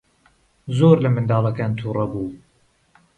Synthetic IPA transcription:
zoːɾlɐmɨnd̪ɑːlˠɐkaːnt̪ʰuːrˤɐbuː

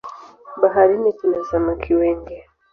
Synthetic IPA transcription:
baɦaɾinitulɛzamukʰiwɛŋɡɛ

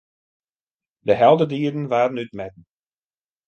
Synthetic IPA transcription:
dəɦɛlˠdədiədən̩ʋaːrənyt̚mɛd̚n̩

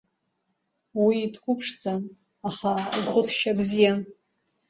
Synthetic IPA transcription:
wiːtʰɡʷʊpʰʂd͡zan | aχalχʷʊt͡sʰʃabzija

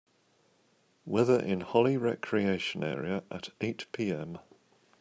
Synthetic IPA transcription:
wɛðəɹʔɪ̰̃nhɒliɹɛkʰɹieɪʃə̃nɛ̰ːɹiəʔətʰeɪʔpʰiːɛ̃m

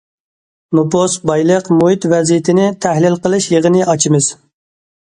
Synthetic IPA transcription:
nopost̪̚bɑjlˠəqmuɦit̪vɛzijit̪ʰɪnɪt̪ʰæhlɪlqəlˠɨʃjəʁənɪʔɑt͡ʃʰimɨz̥

